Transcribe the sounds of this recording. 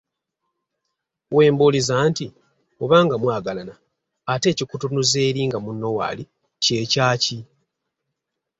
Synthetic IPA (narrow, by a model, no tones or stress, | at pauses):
we̞ːmbulizaːnti | oβaːŋɡamwaːɡalanaː | te̞ːcikutunuzeːɾiːŋɡamunːo̞wa̰ːli | ce̞ːcaːci